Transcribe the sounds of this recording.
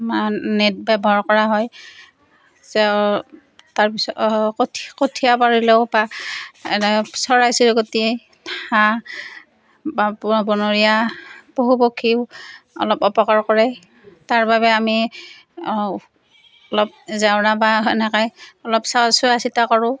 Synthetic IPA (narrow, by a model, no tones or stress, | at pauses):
manɛt̚bɛbɔɹkɔɹaɦɔj | zɛ | taɹpisɔktʰkotʰijapaɹilɛʊbaɛnɛsɔɹajsiɹkotie | a | babɔnoɹijaboɦubokʰːiɔ̰lɔpɔpɔkaɹkɔɹɛ | taɹbaβɛami | ɔlɔp̚zawnabaɛnɛkajɔlɔpsasɔasitakɔɹʊ̃